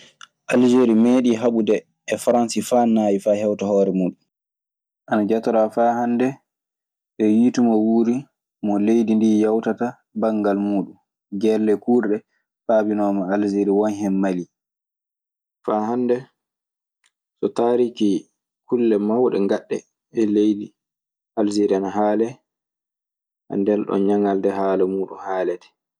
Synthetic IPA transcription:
ʔald͡ʒeɾimeːɗiɦaɓudɛː | faɾansifaːnaːjifaːhɛwtahɔːɾɛmuːɗun | ʔanad͡ʒatɔɾafaːhandɛ | ɓɛwitumawuɾi | mɔlejdindijawtata | baŋɡalmuːɗum | ɡɛlːɛkuːɾɗɛ | faːbinɔːmaalziɾiwɔnɦɛmːali | faːɦandɛ | sɔtaːɾiki | kʰulːɛmawɗɛ̰ŋɡaɗːɛ̰ | ɛlejdi | ʔald͡ʒiɾianaɦaːlɛ | ha̰ndɛlɗɔ̰nɲaŋaldɛhaːlɛmuːɗṵmhaːlɛtɛ̥

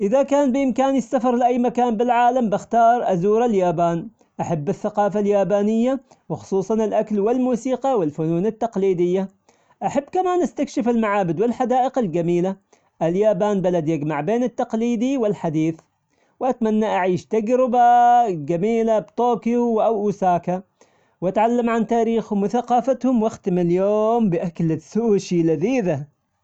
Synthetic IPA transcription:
ʔɪðakaːnbɪʔɪmkaːnɪsːafɑɾˤlɪʔajːmakaːnbɪlʕaːlambɪxt̪ɑːɾˤʔazuːɾaljaːbaːn | ʔaħabːɪθːaqɑːfaljaːbaːnɪjːa | wɪxʊ̥sˤuːsˤɑnɪlʔaklwɪlmuːsiːqɑwɪlfʊnuːnɪt̪ːɑqliːd̪ɪjːa | ʔaħabːkamaːnʔast̪akʃɪfɪlmaʕaːbɪd̪wɪlħad̪aːʔɪqɪld͡ʒamiːla | ʔɪljaːbaːnbalad̪jaɡmaʕbeːnɪt̪ːɑqliːd̪iwɪlħad̪iːθ | wʔat̪manːaʔaʕiːʃt̪aɡɾɪbaɡamiːlabt̪oːkjuwʔawʔuːsaːka | wat̪ʕalːamʕant̪aːɾiːxhʊmwɪθaqɑːfat̪hʊmwɪxt̪ɪmɪljoːmbɪʔaklɪsuːʃilaðiːða

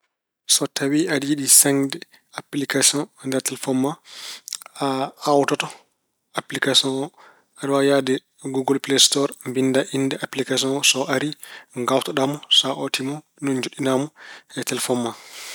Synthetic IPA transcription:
sɔtawiadjiɗisaŋdɛ | aplikasiɔ̃nndɛɾtɛlfɔmːa | aawtɔtɔ | aplikasiɔ̃nɔ | adwajadɛ | ɡuɡɔlplestɔɾmbindaʔindɛʔaplikasiɔ̃nɔsɔʔaɾiŋɡawtɔɗamɔsaʔotimɔ | nɔnd͡ʒuɗːinamɔɛtɛlfɔmːa

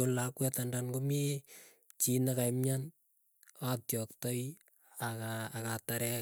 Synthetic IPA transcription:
olakwɛtandankomi | t͡ʃinakajmɲan | atjɔk̚tɔj | akaːkataɾɛ

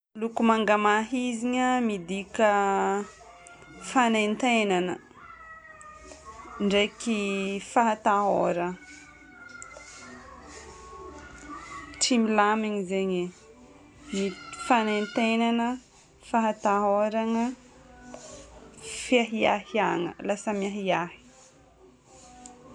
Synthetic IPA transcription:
lukumaŋɡamaɦiziɲəmid̪ikə | fanent̪enanə | ɳɖ͡ʐekifaɦat̪aɦoɾə | ʈ͡ʂimilamiɲizeɲe | ifanent̪enanə | faɦat̪aɦoɾaŋə | fiaɦia̰hiaŋə̰lasəmiaɦiahi̥

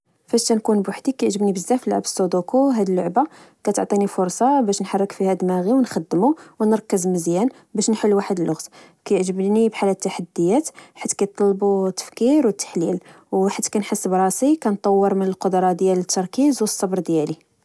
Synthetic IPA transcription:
fæʃænkunbʊħd̪ikæjʕʒəbnibəzːæflːʕabəsˤːod̪okoɦæd̪əlːʊʕba | kæt̪ʊ̰ʕt̪ˤinifʊɾsˤɑbæʃnħɑrˤːəkfihæd̪mæɣiwnxæd̪ːəmuwnəɾˤkːəzməzjæn | bæʃnħəlːuwaħəd̪əlʔʊɣt̪ | kæjəʕʒəbnibħalːæt̪ːaħad̪ːəjːæt̪ħat̪ːkæjt̪ˤːɑlːbut̪ːə̥fkiɾwət̪ːḁħlil | wħat̪ːkænħəsːəbɾˤɑsikænt̪ˤɑwːəɾˤmənəlqod̪ɾˤɑd̪jælət̪ʰːɑɾˤkizwəsˤːɑbɾˤd̪jæli

